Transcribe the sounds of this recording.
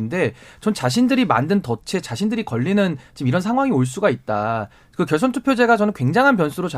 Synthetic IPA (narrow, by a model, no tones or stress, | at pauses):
nde̞t͡ɕʌnt͡ɕaɕ̬ʰindɯɾima̰ndɯntʌt͡ɕʰe̞t͡ɕaɕʰindɯɾikʌʎːinɯnt͡ɕimiɾʌnsʰaŋɦwaŋioɭs̬͈uɡait̚t͈a | kɯkjʌs̬ʰʌntʰu̥pʰjod͡ʑe̞ɡaʌnɯnkweŋd͡ʑaŋɦanpjʌnsʰuɾot͡ɕ